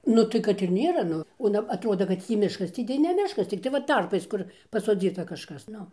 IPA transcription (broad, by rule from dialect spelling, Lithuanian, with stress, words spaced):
nʊ ˈtɐɪ kɐt ɪr ˈnʲeːrɐ ˈnʊ oː ɐˈnɐ ɐˈtroːdoː kɐt ˈtʲiː ˈmʲɪʃkɐs ˈtʲiː tɐɪ nʲɛ ˈmʲɪʃkɐs ˈt͡sʲɪktɐɪ ʋɐ ˈtɐrpɐɪs ˈkʊr pɐsoːˈd͡zʲiːtɐ kɐʃˈkɐs ˈnʊ